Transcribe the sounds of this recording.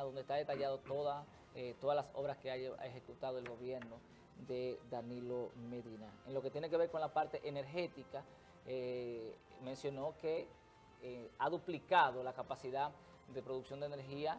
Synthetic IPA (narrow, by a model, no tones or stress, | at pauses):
ðo̞nd̪est̪aðe̞t̪aʝaðo̞t̪oða | et̪o̞ðazlaso̞βɾaskeaa̰exe̞kut̪aðo̞e̞lɣo̞βje̞ɾno̞ | ðe̞ðanilo̞me̞ðinaenlo̞ket̪jeneke̞βeɾko̞nlapaɾt̪e̞ʔene̞ɾxe̞t̪ika | e | mẽ̞nsjo̞no̞ke̞ | aðuplikaðo̞lakapasiða | ðe̞pɾoðuksjo̞nd̪ene̞ɾɦia